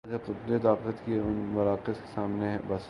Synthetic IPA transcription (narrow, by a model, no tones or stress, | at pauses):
d͡ʒeqʊt̪d̪et̪aːqət̪kiʊnmɐɾaːqɪske̥saːmnebɐs